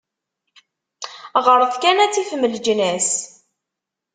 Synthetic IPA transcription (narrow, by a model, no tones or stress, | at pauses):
ʁəɾˤθkænæt͡sːifməld͡ʒnæs